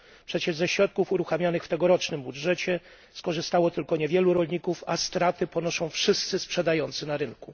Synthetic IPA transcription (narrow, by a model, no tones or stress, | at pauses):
pʂɛt͡ɕɛʐzɛɕɾɔt̪̚kufuɾuxamʲjanɘxft̪ɛɡɔɾɔt͡ʂnɘmbudʐɛt͡ɕɛ | skɔʐɘst̪awɔt̪ɘlkɔɲɛvʲjɛluɾɔlɲikufast̪ɾat̪ɘpɔnɔʂɔ̃w̃fʂɘst̪sɘspʂɛd̪ajɔnt̪sɘnaɾɘnku